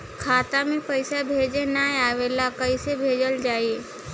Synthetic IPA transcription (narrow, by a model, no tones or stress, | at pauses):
kʰaːt̪amẽpəɪsabʱeːd͡ʒenajaːʋeːlakəisebʱeːd͡ʒəld͡ʒaːie